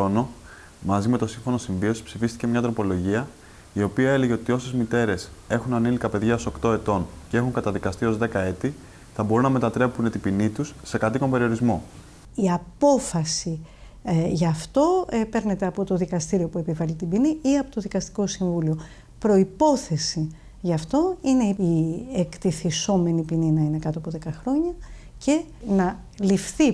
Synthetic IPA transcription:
o̞no̞ | mɐzime̞t̪o̞siɱfo̞no̞siɱvio̞si̥psifist̪ice̞mɲɐt̪ɾo̞po̞lo̞ʝiɐ | io̞piɐe̞le̞ʝe̞o̞t̪io̞se̞zmit̪e̞ɾe̞se̞xunɐnilikɐpe̞ðʝɐoso̞kt̪o̞e̞t̪o̞ncee̞xuŋkɐt̪ɐðikɐst̪io̞zðe̞kɐe̞t̪i | θɐbo̞ɾunɐme̞t̪ɐt̪ɾe̞pune̞t̪ipinit̪usːe̞kɐt̪iko̞mbe̞ɾio̞ɾizmo̞ | iɐpo̞fɐsi | ʝɐft̪o̞pe̞ɾne̞t̪e̞ɐpo̞t̪o̞ðikɐst̪iɾio̞pue̞pivɐlit̪ibiniiɐpo̞t̪o̞ðikɐst̪i̥ko̞siɱvulio̞ | pɾo̞ipo̞θe̞si | ʝɐft̪o̞ineiekt̪iθiso̞me̞nipininɐine̞kɐt̪oɐpoðe̞kɐxɾo̞ɲɐ | ce̞ | nɐ | lifθi

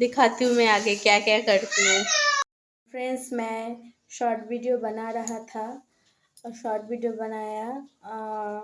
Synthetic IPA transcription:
d̪ɪkʰaːt̪iɦũmɛ̃aːɡekjaːkjaːkɐɾt̪iɦũː | fɾɛ̃ːsmɛ̃ | ʃɔːɾʈʋiːɖijobɐnaɾɐɦat̪ʰa | ʃɔːɾʈʋiːɖijobɐnaːja

